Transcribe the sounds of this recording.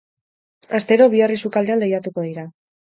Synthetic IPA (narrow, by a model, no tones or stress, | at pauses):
ast̪e̞ɾo̞β̞iarisukald̪e̞and̪ejat̪uko̞ðiɾa